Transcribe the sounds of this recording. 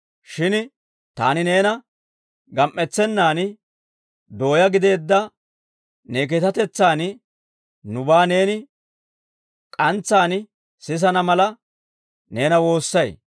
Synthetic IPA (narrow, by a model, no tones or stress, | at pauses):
ʃɪn | t̪a̰ːnɪne̞ːnɐ | ɡɐmʔːɛt͡sːɛnːaːn | d̪o̞ːjɐɡɪd̪e̞ːd̪ːɐ | ne̞ːk̬ɛt̪ɐt̪ɛt͡sːaːn | nʊbaːne̞ːnɪ | kʼɐnt͡sːaːnɪ | sɪs̬ɐnɐmɐlɐ | ne̞ːnɐwo̞ːsːɐj